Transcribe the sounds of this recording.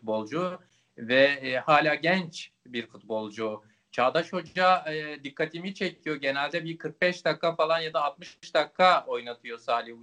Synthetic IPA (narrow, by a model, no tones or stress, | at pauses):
t̪bo̞lˠd͡ʒu | vɛhaːlʲaːɟɛnt͡ʃ | biɾfut̪̚bo̞lˠd͡ʒu | t͡ʃʰaːd̪aʃo̞d͡ʒad̪ikʰːat̪ʰimit͡ʃʰecʰijo̞ɟe̞nælʲd̪ɛbiɾkʰɯɾk̚bɛʃd̪akːafalˠanjad̪aːt̪̚mɯʃʃd̪akʰːao̞jnat̪ʰɯjo̞saːlʲiu